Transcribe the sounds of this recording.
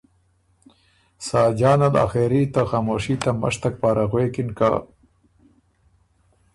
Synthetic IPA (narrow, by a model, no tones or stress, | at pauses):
saːd͡ʒɑːnala̰xeɾit̪axaːmoːʂit̪ama̰ʂt̪ak̚paːɾaɣweːkɪnka̰